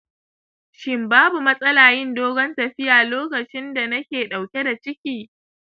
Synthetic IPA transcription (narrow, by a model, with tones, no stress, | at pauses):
ʃɪ˦mbaː˦bu˨mɐ˦sʼɐ˦laː˨jɪ˦ndoː˦ɡɔ˦ntɐ˨ɸɪ˦jaː˨loː˦kɐ˨t͡ʃɪ˦nda˨nɐ˦kʲeː˨ɗa˨wkʲe˦da˨t͡ʃɪ˦kʲiː˨